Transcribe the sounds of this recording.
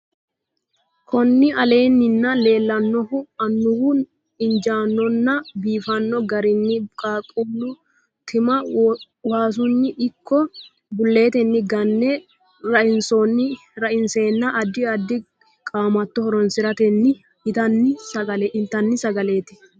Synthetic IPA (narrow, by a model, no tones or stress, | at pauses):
kʰɔnːɪʔɐleːnːɪnːɐle̞ːlːɐnːɔhʊɐnːʊhu | ɪnd͡ʒaːnːɔnːɐbiːfɐnːɔɡɐɾɪnːɪkʼaːkʼʊlːʊ | t̪ʰɪmɐ | waːs̬ʊnːɪʔɪkʰːɔ | bʊlːe̞ːt̪ɛnːɪɡɐnːɛ | ɾɐʔɪnsɔnːɪ | ɾɐʔɪnse̞ːnːɐʔɐd̪ɪɐd̪ːɪ | kʼaːmɐt̪ːɔhɔɾɔnsɪɾɐt̪ɛnːɪ | t̪ɐnːɪsɐɐlɪnt̪ɐnːɪsɐɡɐle̞ːt̪ɪ̥